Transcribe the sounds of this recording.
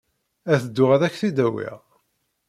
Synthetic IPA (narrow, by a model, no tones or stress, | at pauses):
æθəd̪ːʊʁæðæçθid̪æwḭʁ